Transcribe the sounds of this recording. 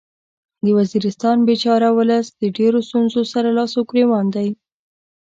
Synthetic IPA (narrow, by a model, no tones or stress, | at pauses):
d̪əwaziɾɪst̪ɑnbet͡ʃɑɾawʊləsd̪əɖeɾost̪unzosaɾalɑsʊkɾewɑnd̪aj